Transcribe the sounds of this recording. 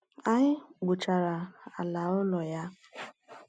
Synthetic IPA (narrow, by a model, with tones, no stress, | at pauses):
a˦ɲɪ˦ɡ͡bʊ˨t͡ʃa˨ɾa˨a˨la˨ʊ˦lɔ˨ja˦